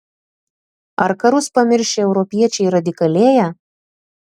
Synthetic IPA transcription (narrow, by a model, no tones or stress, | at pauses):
ɐɾkɐɾʊspɐmʲɪɾʲʃʲeɛʊɾɔpʲiɛt͡ʃʲɛɪɾɐd̪ʲɪkɐlʲeːjæː